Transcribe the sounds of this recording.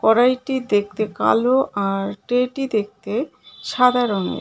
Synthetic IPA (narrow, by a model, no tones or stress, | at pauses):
kɔɾajʈid̪ek̚t̪eka̰loʔaɾʈeʈid̪ek̚t̪e | ʃad̪ʱaɾonḛɾ